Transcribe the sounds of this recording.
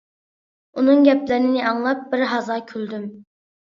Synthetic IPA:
unɨŋɡʲɛplɪɾnɪnɪʔɑŋlˠɑp̚bɪɾɦɑzɑkʲʰyld̪ym

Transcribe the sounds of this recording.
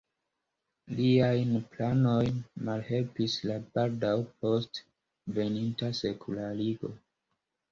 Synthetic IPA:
liajnplano̞jnmalhe̞lpislabaldawpʰo̞st | ve̞nintase̞kʰulaɾiɡo̞̰

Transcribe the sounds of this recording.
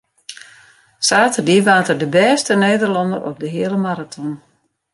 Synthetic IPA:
saːtərdiʋaːtərdəbɛːstəneːdərlɑndəɾʔɔ̰p̚dəɦɪələmaɾatʰɔn

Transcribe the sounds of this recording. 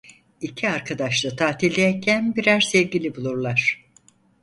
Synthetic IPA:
icʰiaɾkʰad̪aʃlˠɯt̪ʰaːt̪ʰilʲd̪ʲejɛcʰænbiɾæɾsɛvɟilʲibulˠuɾlˠaɾ̝̥

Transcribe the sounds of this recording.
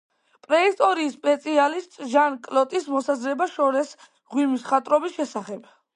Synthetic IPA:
pʼɾɛist̪ʼɔɾiːspʼɛt̪sʼʰialist̪ʼʒankʼlɔt̪ʼismɔsazɾɛbaʃɔɾɛs | ʁwimisχat̪ʼɾɔbisʃɛsaχɛb̥

